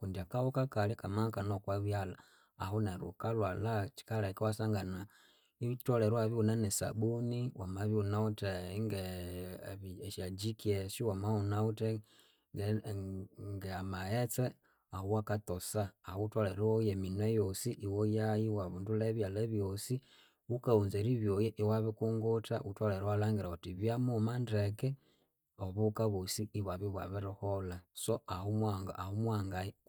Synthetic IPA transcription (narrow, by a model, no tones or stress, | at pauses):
kundiakawokakalikamakanokwaβjalaː | huneɾṵkalwalat͡ʃi̥kalaikiwasaŋɡana | itoleɾwaβiunanesa̰ɓuniwamaβiunauteŋɡe | βiʃad͡ʒikieʃiwamaunaute | ŋɡeamaet͡se | auwakatosaːutwaleɾojeminejosiʔiwojajiwaβunduleβjaleβjosi | ukaunzeɾiβjojeʔiwaβikuŋɡotaʔutwaleɾwalaːŋɡiɾautiβjamumanɾeke | oβukaβusiːβwaβiβwaβiɾoholasoahumwaŋɡaahumwaːŋɡa